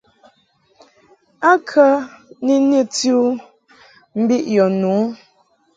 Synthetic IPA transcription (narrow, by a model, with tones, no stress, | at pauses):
a˦kʰə˦ni˦nə˦tju˦ | m̩˦bi˦ʔjɔ˨nu˨˦